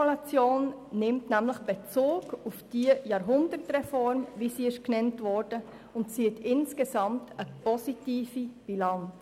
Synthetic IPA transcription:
ulɑt͡sjoːnː | ɪmtnæmləχb̥et͡soːɡufd̥iəjɑːɾɦʊndətrɛfɔɾmvisiːɪʃknɛntvɔɾd̥ə | ʊntsiətʰɪnskesɑmtʰəpɔsitiːfib̥ilɑns

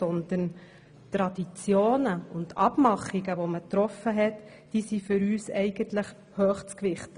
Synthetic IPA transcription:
sɔnd̪ən | t̪ɾɑd̥̪it͡sjoːnəʊntɑ̰b̥mɑχiɡəʋomətɾɔfːəɦɛt | d̥iːsifʏɾyːsɛɪɡəntləχ | hœːχt͡skʋɪχt

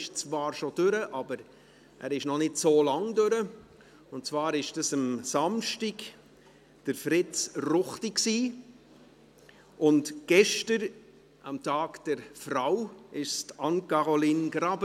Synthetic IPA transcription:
ʃt͡svɑːɾʃod̥ʏɾəʔɑbəɾ | ʔæ̰ːɾɪʃnɔnɪtsoːlɑŋdøɾə | ʊnt̚t͡svɑːɾɪʃd̥ɑsəmsɑmʃtɪɡ | d̥əɾfɾɪt͡srʊχtiksiː | ʔʊntɡ̥ɛʃtəɾ | əmtɑːɡd̥ɛɾfrawɪʃstɑnkɑɾoliːnɡɾɑbə

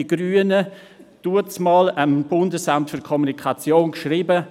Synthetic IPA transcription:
iɡ̥ɾyːənə | d̥uət͡smɑːləmb̥ʊndəsamtfykʰɔmunikʰat͡sjoːnkʃriːbə

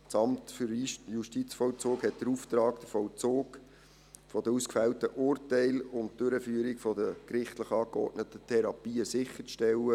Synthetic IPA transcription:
t͡sɑmtfʏɾjuʃtit͡sfɔlt͡soːkhɛt̚d̥əɾuft̪ɾɑːkd̥əfɔlt͡soːɡ | fɔdəɾuskfæwtəʔʊːrtæɪlʊnt̚d̥øɾəfyəɾɪkfɔdəkɾɪχtləχɑːkɔ̰tnətətʰɛɾɑpiːəsɪχːət͡sʃtɛlːə

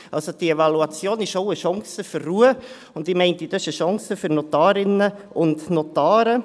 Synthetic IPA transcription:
ʔɑlsod̥ievɑluɑt͡sjoːnɪʃoʊəʃɔŋsəførːuːə | ʊndɪmɛɪntidœsəʃɑŋsəfʏɾnotaːɾɪnə | ʊndnotaːɾə

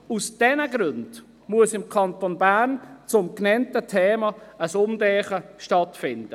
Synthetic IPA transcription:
usd̥ɛnəɡɾønd̥ | muəsɪmkʰɑntonbæːrnt͡sʊmknɛntətʰɛːmɑəsʊmdɛːχəʃtɑtfɪnd̥ə

